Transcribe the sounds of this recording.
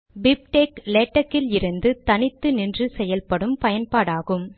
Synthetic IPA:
bɪp̚ʈeːklɛːʈːɐkːɪlɪɾɯnd̪ɯt̪ɐnɪt̪ːɯnɪndrɯsɛjɐlpɐɽɯmpɐjɐnpaːɽaːɣɯm

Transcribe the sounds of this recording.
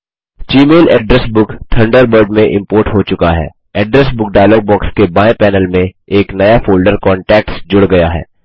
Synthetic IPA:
t͡ʃiːmeːlɛːɖɾɛsbʊkʈʰɐ̃ɳɖəɾbəɾɖmẽʔɪ̃mpoːɾʈɦot͡ʃʊkaɦɛ̰ː | ɛːɖɾɛsbʊk̚ɖaːɪlɔːɡ̚bɔːkskebaːẽpɛːnəlmẽ | eːknɐjafʰoːlɖəɾkɔ̃ːɳʈɛːk̚ʈsd͡ʒʊɽɡɐjaɦɛ̰ː

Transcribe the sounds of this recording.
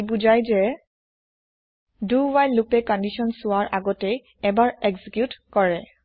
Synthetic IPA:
buzajzɛ | duwajlːupɛkɔndisɔnsʊwaɹʔaɡɔtɛj | ɛbaɹeksikjutkɔɹɛ

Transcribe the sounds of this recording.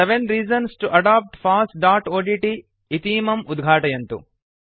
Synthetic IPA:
eʋẽnɾiːd͡ʒɐnsʈuʔɐɖaːp̚ʈpʰaːsʈɖaːʈoːɖiʈi | it̪iːmɐmud̪ɡʱaːʈɐjɐnt̪ṵ

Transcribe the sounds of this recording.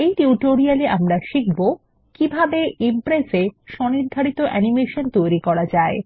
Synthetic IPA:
ejʈiuʈoɾialeʔamɾaʃik̚bo | kibʱabeimpɾeseʃɔniɾd̪ʱaɾit̪oʔɛnimeʃont̪ojɾikɔɾad͡ʑae

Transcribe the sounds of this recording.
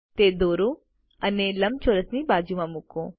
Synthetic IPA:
t̪eːd̪oːɾo | ɐnelɐmt͡ʃʰoːɾəsnibaːd͡ʒuʋãmukõː

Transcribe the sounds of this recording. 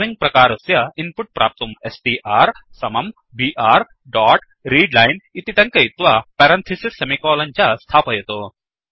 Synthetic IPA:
ʋiŋɡ̚pɾɐkaːɾɐsjɐinpuʈ̚pɾʔa̰ːp̚t̪umesʈiːʔaːɾsɐmɐm | biːʔaːɾ | ɖaːʈ | ɾiːɖlaːjnit̪it̪ɐ̃ŋkɐjt̪ʋapɛːɾɐnt̪ʰisisːemikoːlɐnt͡ʃast̪ʰaːpɐjet̪oː

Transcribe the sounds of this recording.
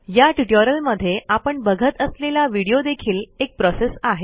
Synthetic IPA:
jaʈiʈəɾəlməd̪ʱːjeʔapəɳbəɡʱət̪əslelaʋiɽijod̪ekʰiːlek̚pɾɔsesaɦe

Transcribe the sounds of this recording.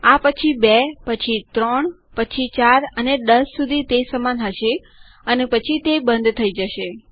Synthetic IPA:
apət͡ʃʰibepət͡ʃʰit̪ɾəɳ | pət͡ʃʰit͡ʃaɾəned̪əsːud̪ʱit̪esəmanɦəʃe | ənepət͡ʃʰit̪ebə̃nd̪ʱt̪ʰəid͡ʒəʃe

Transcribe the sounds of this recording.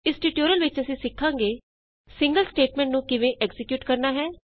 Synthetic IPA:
ɪsʈiːʈoːɾəlʋɪt͡ʃəsĩːsɪkʰːãːŋɡeː | sɪ̃ŋɡəlsʈeːʈmɛ̃ːɳʈnũːkɪʋẽːʔɛɡzɪkjuːʈkəɾnaːɦɛː

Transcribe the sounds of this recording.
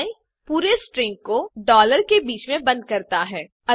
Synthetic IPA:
ĩ | puːɾesʈɾɪ̃ŋɡ̚koɖɔːləɾkebiːt͡ʃmẽbɐ̃nd̪̚kɐɾt̪aɦɛː | ɐ

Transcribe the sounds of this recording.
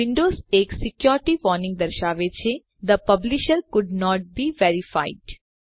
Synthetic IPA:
ʋɪ̃ɳɖoːzeːksɪkjɔːɾʈiʋɔːɾnɪ̃ŋɡ̚d̪ɐɾʃaːʋet͡ʃʰe | d̪əpɐblɪʃəɾkʊɖnɔːʈ̚biːʋeːɾifa̰ɪɖ

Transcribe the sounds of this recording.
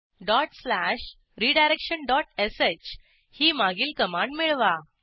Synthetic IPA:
ɖɔʈslæɕ | ɾiɖajɾekʂənɖɔʈeset͡ɕ | hiːmaɡiːlkəmãɳɖmeɭʋa

